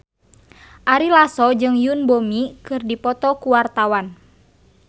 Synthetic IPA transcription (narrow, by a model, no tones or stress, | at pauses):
ʔaɾilasɔd͡ʒɨŋjunbomikɨrdipɔt̪ɔkuwart̪awan